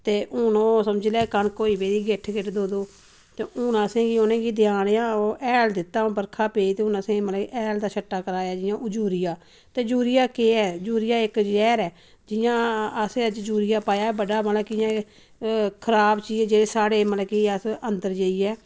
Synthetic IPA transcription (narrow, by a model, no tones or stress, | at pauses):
t̪eːʔʊnõːsəmd͡ʒlɛːkənkoːiːbeːɾiːɡɪʈʰɡɪʈd̪oːd̪oː | t̪eːʔʊnãːsẽːɡiːʊnẽːɡiːd̪ɪjaːneːãːoːʔɛːld̪ɪt̪ːaːõːbəɾkʰaːpeːit̪eːʊnãsẽːməlːʔɛːld̪aːʃʰəʈːaːkəɾaːjaːd͡ʒɪjãːʔʊd͡ʒuːɾɪjaː | t̪eːd͡ʒuːɾɪjaːkeːɛːd͡ʒuːɾɪjaːɪkd͡ʒɛːɾɛː | d͡ʒɪjãːəseːəd͡ʒd͡ʒuːɾɪjaːpaːjaːɛbəɖaːməlaːkɪjãː | kʰəɾaːbt͡ʃiːd͡ʒd͡ʒeːeːsaːɽeːməlkiːəsənd̪əɾd͡ʒeːiːɛː